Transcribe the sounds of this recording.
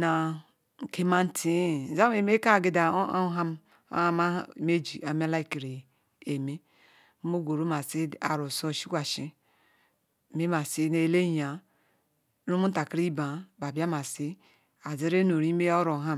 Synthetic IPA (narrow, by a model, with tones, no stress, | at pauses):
na˨ | ŋ̩˨ke˦ma˦n̩˦tʰi˦˨za˦me˨me˦ka˦˨ɡe˦da˨˦ɦa˦m̰˦ | a˦ma˦˨me˦d͡ʒi˨a˨me˦la˦i˦ki˨ɾe˨ | e˨me˦ | mo˦ɡʷo˨ɾu˦ma˨si˦a̰˨ɾo˨so˦˨ʃi˦kʷa˨ʃi˦˨ | me˦ma˨si˦ne˨le˦ja˨˦ | ɾu˦mu˦n˦ta˨ki˦ɾi˦ba˨ba˨bi˦a˦ma˨si˦ | a˨ze˦ɾe˦no˨ɾi˦me˦o˦ɾo˨ɦa˦m